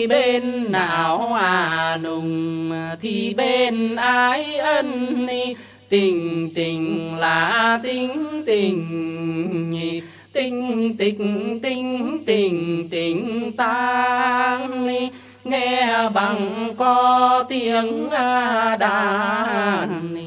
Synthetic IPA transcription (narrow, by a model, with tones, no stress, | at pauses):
ɓe˧nːaː˨˩whaː˨˩nʊ˨˩ŋ͡mt̪ʰi˨˩ɓe˧nʔaː˧jʔə˧ni˧ | t̪i˨˩əŋt̪i˨˩ŋ̟laː˨˩t̪i˧əŋt̪i˨˩əŋ˨ | t̪i˧ŋ̟t̪i˨˧˩t̪i˧ŋ̟t̪i˨˩əŋt̪i˨˩əŋt̪aː˧ | ŋi˧ | ŋɛ˧ɓa˨˩ŋkɔ˧t̪i˧ənaː˧ɗaː˧˩˧